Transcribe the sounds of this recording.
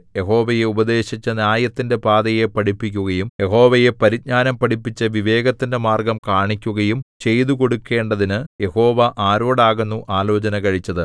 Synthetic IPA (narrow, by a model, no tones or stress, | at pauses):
je̞ɦo̞ːʋɐjeubɐd̪e̞ːɕit͡ɕːɐnjaːjɐt̪ːinde̞paːd̪ɐje̞pɐɽipːikʲːuɣɐjumje̞ho̞ːʋɐje̞pɐɾid̪̚ɲaːnɐmpɐʈipːit͡ɕːɐʋiʋe̞ːɡɐt̪ːinde̞maːrɡɐmkaːɳikʲːuɣɐjumt͡ɕe̞jt̪uko̞ɽukːe̞ːɳɖɐðinɨje̞ho̞ːʋɐʔaːɾo̞ːɽaːɣunːuʔaːlo̞ːt͡ɕɐnɐkɐɻit͡ɕːɐðɨ